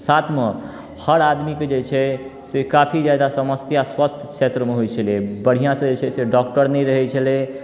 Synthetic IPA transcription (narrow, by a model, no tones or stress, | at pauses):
sat̪ʰme | həɾad̪miked͡ʒet͡ʃʰɛsekapʰid͡ʒjad̪asəməst̪jaswəst̪ʰkʰʃʰet̪ɾəmeɦojt͡ʃʰəlɛbəɽ̤ijãsə̃d͡ʒet͡ʃʰɛseɖɔk̚ʈəɾnɛjɾəɦɛt͡ʃʰəlɛ